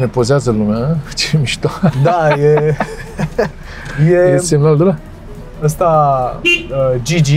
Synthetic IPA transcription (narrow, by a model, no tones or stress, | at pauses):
nepozeazəlumat͡ʃeemiʃt̪ad̪aje | jejesemnaluld̪una | əs̬t̪a | d͡ʒid͡ʒi